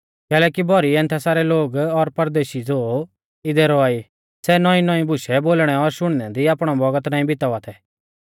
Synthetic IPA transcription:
kɛːlɛːkibʱɔɾiɛ̃ːnt̪ʰɛsaːɾɛloːɡɔɾpɐɾd̪eːʃid͡zoː | ɪd̪ɛɾɔaːi | sɛnɔĩnɔĩbʱʊʃɛboːlɽ̃ɛɔɾʃʊɽ̃nɛd̪iaːpɽ̃abɔɡət̪naːĩbʱɪt̪aʋat̪ʰɛː

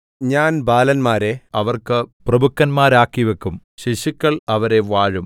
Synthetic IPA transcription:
ɲaːnbaːlɐnmaːɾe̞ɐʋɐrkɨprɐbʱukːɐnmaːɾaːkːiʋekːumɕiɕikːɐɭɐʋɐɾe̞ʋaːɻum

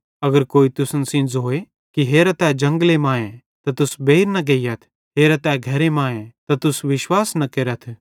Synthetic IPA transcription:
ɐɡəɾkoːit̪ʊsənsɪ̃nd͡zɦoːe | kiɦeːɾɐt̪ɛːd͡ʒɐ̃ŋɡlemãːẽ | t̪at̪ʊsbeːiɾnɐɡeːijɐt̪ʰ | ɦeːɾat̪ɛːɡʱɐɾemaːẽt̪at̪ʊsʋɪʃwaːsnɐkeːɾət̪ʰ

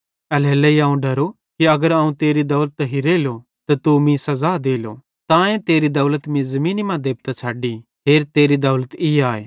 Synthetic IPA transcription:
ɐlɦɛːlɛiãːũɖʱɐɾo | kiɐɡəɾaːũt̪eːɾid̪ɐːlət̪ːɐɦiɾeːlo | t̪ɐt̪umĩsɐzaːd̪eːlo̰ | t̪ãːẽt̪eːɾid̪ɐːlət̪mĩzɐmĩːnimãd̪eːp̚t̪at͡ʃʰaːɖi | ɦeːɾt̪eːɾid̪ɐːlət̪iaːeː

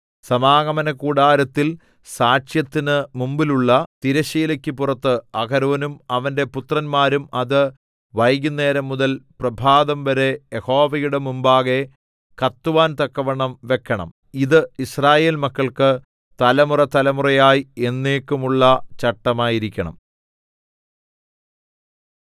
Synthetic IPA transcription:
sɐmaːɣɐmɐnɐkuːɽaːɾɐt̪ːil | saːʂjɐt̪ːinɨmumbiluɭːɐt̪iɾɐɕiːlɐkʲːɨpurɐt̪ːɨɐkʰɐɾuʋɐnumɐʋɐnde̞put̪rɐnmaːɾumɐðɨ | ʋɐjɡunːe̞ːɾɐmːuðɐlprɐbʱaːðɐmʋɐɾejeho̞ːʋɐjuɽemumbaːɣe̞ | kɐt̪ːuʋaːnt̪ɐkːɐʋɐɳɐmʋe̞kːɐɳɐ̰m | iðɨisraːje̞ːlmɐkːɐɭkɨ | t̪ɐlɐmurɐt̪ɐlɐmurɐjaːjie̞nːeːkːumuɭːɐt͡ɕɐʈːɐmaːjiɾikʲːɐɳɐ̰m

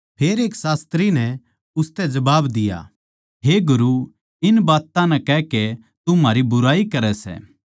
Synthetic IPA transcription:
pʰeːɾeːksaːst̪ɾinɛ | ʊst̪ɛd͡ʒɐbaːbd̪ɪja̰ː | ɦeːɡʊɾu | ɪnbaːt̪ãnɛ̃kɛke | t̪umaːɾibʊɾaːikɐɾɛsɛ̰ː

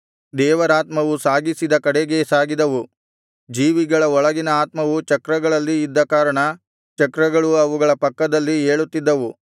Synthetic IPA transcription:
d̪ɛːʋɐɾaːt̪mɐʋusaːɡisid̪ɐkɐɽeɡe̞saːɡid̪ɐʋu | d͡ʒiːʋiɡɐɭɐɔɭɐɡinɐaːt̪mɐʋut͡ʃɐkɾɐɡɐɭɐlːiːd̪ːɐkaːɾɐɳɐ | t͡ʃɐkɾɐɡɐɭuɐʋuɡɐɭɐpɐkːɐd̪ɐlːieːɭut̪ːid̪ːɐʋu

